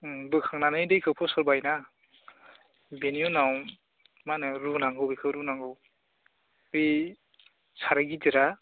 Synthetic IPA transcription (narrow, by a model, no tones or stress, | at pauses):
bɯkʰaŋnanɯjdɯjkʰɯpʰɔsɔɾbajna | benijunaw | manɯɾunaŋɡɯwbikʰɯwɾunaŋɡɯw | bi | saɾaɡidiɾa